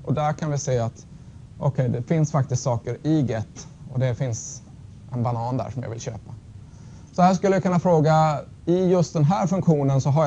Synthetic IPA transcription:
ʔɔd̪æɾkʰanvɪseːat̪ | ʔɔkʰɛjd̪ɛfɪnsfak̚t̪ɪst̪sɑːkəɾɪɡɛt̪ːɔd̪ɛfɪns | ʔɛnbanɑːnd̪æ̰ːʂɔmjɑ̰ːvɪlɕø̰ːpa | sɔhæːʂ̬kɵlːəjakʰɵnːafɾoːɡa | ɪjɵst̪̚d̪ɛnɦæːɾfɵŋkɧuːnənsɔɦa

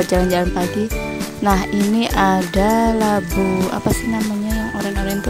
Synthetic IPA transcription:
ərd͡ʒaland͡ʒalanpaɡi | nahiniʔadalabua̰pasihnamaɲajaŋoɾaŋoɾaŋnt̪u

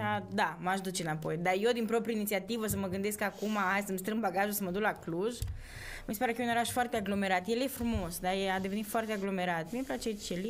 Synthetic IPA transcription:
ad̪amaʃd̪ut͡ʃɨnapo̞jd̪ajed̪inpɾo̞pɾiəinit̪siat̪ivəsəməɡɨnd̪e̞skakumaajsəmst̪ɾɨmbaɡaʒusəməd̪uklakluʒ | mispaɾekəjeuno̞ɾaʃfoart̪eaɡlo̞meɾat̪jeljefɾumo̞sd̪ajead̪evenit̪foart̪eaɡlo̞meɾat̪mieplat͡ʃet͡ʃeli

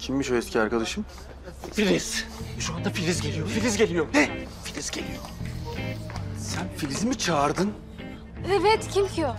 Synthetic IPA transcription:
cʰimːiʃoɛscʰʲiaɾkad̪aʃɯm | filiz̥ʃuand̪afilʲizɟe̞lʲijofilʲizɟe̞lʲijoɾnɛfilʲizɟelʲḭjo | sænfilʲizimit͡ʃʰaːɾd̪ɯn | ɛvɛt̪cʰimcʰj

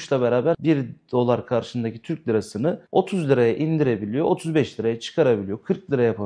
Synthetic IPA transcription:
ʃlˠaβeɾaːbæɾbiɾd̪̥o̞lˠaɾkʰaɾʃɯnd̪aci̥t̪ʰyɾc̚lʲiɾasɯnɯo̞t̪ʰuzlʲˠiɾajaʔind̪iɾebilʲijo̞ot̪ʰuzbɛʃlʲiɾajat͡ʃʰɯ̥kʰaɾabilʲijo̞kʰɯɾk̚lʲˠiɾajapʰa

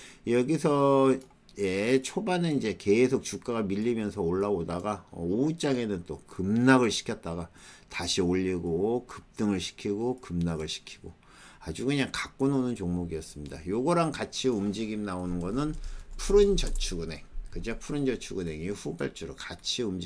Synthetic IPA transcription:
jʌɡisʰʌ | jet͡ɕʰobanenid͡ʑe̞ke̞sʰok̚t͡ɕuk̚k͈aɡamiʎːimjʌnsʰʌoɭːaodaɡaout͡ɕ͈aɡe̞nɯnt͈okɯmnaɡɯɭɕʰi̥kʰjʌt̚t͈aɡataɕʰioʎːiɡokɯp̚t͈ɯŋɯɭɕʰi̥kʰiɡokɯmnaɡɯɭɕʰi̥kʰi̥ɡ̥o | ad͡ʑuɡɯɲaŋkak͈̚ononɯnt͡ɕoŋmoɡijʌs͈ɯmɲidajoɡʌɾankat͡ɕʰiumd͡ʑiɡimnaonɯnɡʌnɯnpʰuɾɯnd͡ʑʌt͡ɕʰuɡune̞ŋkɯd͡ʑʌpʰuɾɯnd͡ʑʌt͡ɕʰuɡune̞ŋiɸubaɭt͡ɕ͈uɾokat͡ɕʰiumd͡ʑ

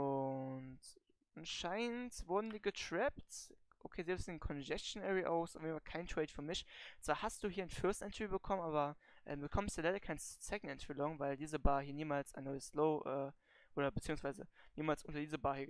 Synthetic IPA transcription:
ʔʊnt | ʔanʃaɪnnntvʊɐdn̩diːɡətʁ̥ɛpt | ʔokʰeːzɛlpsnkʰɔnd͡ʒɛst͡ʃnɛʁiʔaʊsʔɔfjednfalkʰaɪntʁ̥ɛɪtfyːɐmɪçt͡sv̥aːɐhast̚d̥uːɦiːɐnfœɐstʔɛntəɹiːbəkʰɔmənʔaːbɐ | ʔɛ̰ːmbəkʰɔməstaɐlaɪɾɐkʰaɪnsɛkn̩tɛntəvilɔŋvaɪldiːzəbaːɐhiːɐniːmaːlsa̰ɪnɔʏəsloʊʔɛː | ʔoːɾɐbət͡siːʊŋsv̥aɪzəniːmaːlsʔʊntɐdiːzəbaːhiɐ

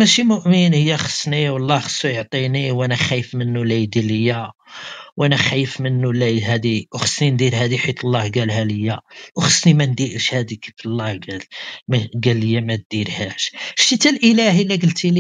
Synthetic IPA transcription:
mæʃimʊʔmənhəjːæxə̥sniwɑlˤːɑxə̥sːujəʕt̪ˤiniwʔænæxæjəfmənːulæjd̪iləjːæ | wʔænæxæjːəfmənːulæjɦæd̪iwxə̥snind̪iɾhæd̪iħit̪ˤəlˤːɑhɡælhæləjːæwxə̥snimænd̪iʔʃhæd̪ikiflˤːɑhɡælmæɡælːəjːæmæt̪̚d̪iɾhæʃʃt̪it̪ælʔəlæhilæɡəlt̪ili

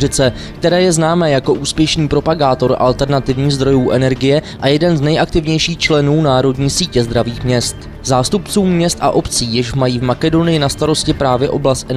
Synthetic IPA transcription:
ɪt͡sɛ | k̚t̪ɛɾɛːjɛznaːmɛːjako̞ʔuːspjɛʃniːpɾo̞paɡaːt̪o̞ɾʔa̰lt̪ɛɾnat̪ɪvɲiːɣzd̪ɾo̞juːʔɛnɛɾɡɪjɛʔajɛdɛnznɛjʔak̚t̪ɪvɲɛjʃiːxt͡ʃlɛnuːnaːɾo̞dɲiːsiːcɛzd̪ɾaviːxmɲɛst̪ | zaːst̪upt͡suːmːɲɛst̪ʔa̰ʔo̞pt͡siːjɪʃmajiːvmakɛdo̞nɪjɪnast̪aɾo̞scɪpɾaːvjɛʔo̞blast̪ʔɛ

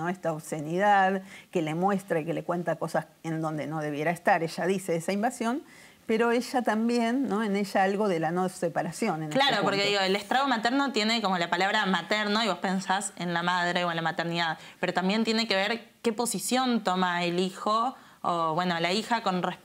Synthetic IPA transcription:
noest̪aoβsenið̞aðkelemwe̞st̪ɾaikele̞kwe̞nt̪ako̞sas | end̪õ̞nd̪e̞no̞ðe̞βje̞ɾaest̪aɾeʃaðise̞esaimbasjo̞n | peɾo̞eʃat̪ambje̞nːo̞eneʒaalɣo̞ðelanosepaɾasjo̞nenelaɾopoɾkeðiɣoelekst̪ɾaɣomat̪eɾno̞t̪jene̞komolapalaβɾamat̪eɾnoiβospe̞nsasenlamað̞ɾeoenlamat̪eɾniðaðpeɾot̪ambje̞nt̪je̞nekeβ̞eɾke̞po̞sisjont̪omaelixoː | βwenolaixako̞nre

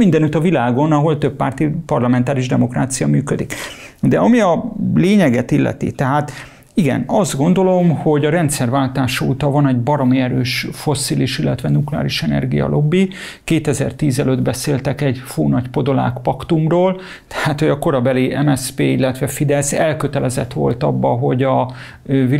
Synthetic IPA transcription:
mind̪ɛnyt̪ɒvilaːɡo̞nɒɦo̞lt̪ø̞pːa̰ːrt̪ipɒrlɒmɛnt̪aːɾiʒd̪ɛmo̞kra̰ːt̪sijɒmyːkød̪ik | d̪ɛɒmiɒleːɲɛɡɛt̪ilːʔɛ̰t̪ḭt̪ɛɦaːt̪ | iɡɛ̰nɒzd̪ɡo̞nd̪o̞lo̞mho̞ɟɒɾɛnt̪sɛrvaːlt̪aːʃɒṵt̪ɒvɒnɛɟbɒɾomiɛɾøːʃfo̞siliʃilːɛt̪ʋɛnuklɛa̰ːliʃɛnɛ̰rɡijɒ̰lʔo̞bːi | keːt̪ɛzɛ̰rt̪iːzɛlød̪bɛseːlt̪ɛkɛɟfoːnɒɟpo̞d̪o̞la̰ːkpɒkt̪umroːl | t̪ɛ̥haːt̪ho̞ɟɒko̞ɾɒbɛliɛmɛspeːilːɛt̪ʋɛfid̪ɛsɛlkøt̪ɛlɛzɛt̪ʋo̞̰lt̪ɒbːɒɦo̞ɟɒ | vi

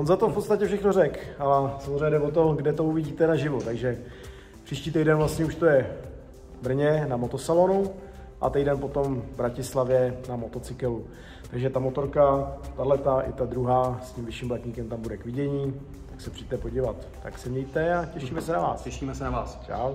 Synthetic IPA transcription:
onzat̪ofpott͡sst̪acɛfʃɛxnorɛkalɛsamozrɛɲɛdɛvot̪̬o̞ɡdɛt̪o̞uvɪɟiːt̪ɛnaʒɪvot̪aɡʒɛ | pr̥iːʃciːt̪ɛjdɛnvlast̪ɲɛuʃt̪ojɛ | br̩ɲɛnamo̞t̪osalonu | ʔa̰t̪ɛjdɛnpo̞t̪o̞mvbɾacɪslavjɛnamo̞t̪o̞t͡sɪkɛlu | t̪aɡʒɛt̪amot̪o̞ɾkat̪adlɛt̪aʔɪt̪ad̪ɾuɦaːsciːmvɪʃiːmblacɲiːkɛmt̪ambudɛkvɪɟɛɲiː | t̪aksɛpr̥idɛt̪ɛpo̞ɟivat̪ːaksɛmɲɛjt̪ɛacɛʃiːmɛsɛnava̰ːsɛʃiːmɛsɛnaaːst͡ʃa̰ːw

